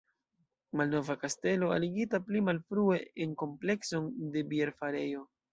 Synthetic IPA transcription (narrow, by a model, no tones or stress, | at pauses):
malno̞vakaste̞lo̞a̰liɡitaplimalfɾue̞enko̞mple̞kso̞nde̞bie̞ɾfaɾe̞jo̞